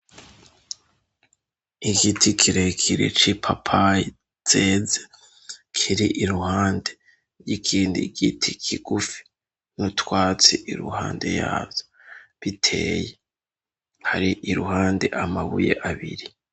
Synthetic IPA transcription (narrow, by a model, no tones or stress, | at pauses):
iɡitʰikʰiɾekʰiɾḭt͡ʃipʰapʰa | t͡seze | kʰiɾiʔiɾuhaːnde̞ | ɾjikʰiːndḭɡitʰikʰiɡ̥ufi̥ | nutwaːt͡sḭʔiɾṵhaːnde̞̰ja̰ːvjo | βitʰe̞̰ːje | haɾiʔiɾuhaːnde̞̰ʔamaβujḛʔaβiɾi